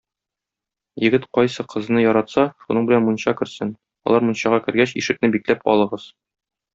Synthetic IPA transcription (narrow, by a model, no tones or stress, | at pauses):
jɘ̆ɡɘt̪qɒjsɤqʰɤ̆z̆nɤjɒɾɑt̪sɑʃunɤɴbɘ̆lænmunɕɑkɘ̆ɾsɘn | ɒ̰lˠɑɾmunɕɑʁɑkɘ̆ɾɡæɕiʃɘ̆k̚nɘbiklæpɒ̰lˠɤ̆ʁɤz̥